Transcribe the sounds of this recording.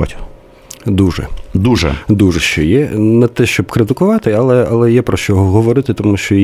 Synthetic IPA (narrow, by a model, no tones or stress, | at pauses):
a̰tʲ | d̪uʒɛ̰d̪uʒɛ̰d̪uʐɛʃt͡ʃɔjɛnɐt̪ɛʃt͡ʃɔbkɾɪt̪ɪkʊʋɑt̪ɪɐlˠɛɐlˠɛjɛpɾɔʃt͡ʃɔɦɔɦɔʋɔɾɪt̪ɪt̪ɔmuʃt͡ʃɔ